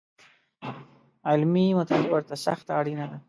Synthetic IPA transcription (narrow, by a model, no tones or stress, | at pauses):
ɪlmimʊt̪alwəɾt̪asa̰xt̪aɽinad̪a